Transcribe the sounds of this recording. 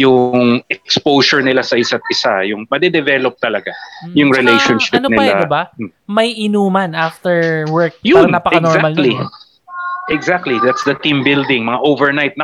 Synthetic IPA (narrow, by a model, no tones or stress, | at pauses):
jʊŋɛkspowsɔɹnɪlasɐʔɪsat̪̚ɪsajʊŋmɐd̪ɛd̪ɛvɛlop̚t̪ɐlɐɡajʊŋɾɪlejʃɔnʃɪ̥pɐnonɪllaɪbamɐjʔɪnuːmanaft̪ɛɹwɛɹk̚jʊnnɐpɐkɐnzamalli | ʔɛɡzak̚t̪lid̪at̪sd̪ɐt̪ĩmbɪld̪ɪŋmɐŋaʔowvɛɹnajt̪̚nɐ